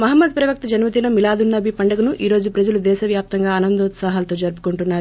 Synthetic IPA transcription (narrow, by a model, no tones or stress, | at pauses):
mɐɦɐmːɐd̪̚pɾɐʋɐk̚t̪ɐd͡ʒɐnʋɐt̪̬ilɐmilaːd̪unːɐbipɐɳɖɐɡɐnuʔiːɾo̞ːd͡ʒupɾɐd͡ʒɐlud̪ɛːʃɐʋjaːp̚t̪ɐŋɡaːɐnɐnd̪uːt̪saːɦɐlɐt̪o̞ːd͡ʒɐɾp̬u̥kuɳʈunːaːɾu